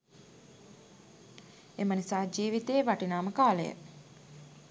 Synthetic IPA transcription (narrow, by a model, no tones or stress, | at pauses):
emənisaːd͡ʒiːʋit̪eːʋaʈinaːməkaːləjə̰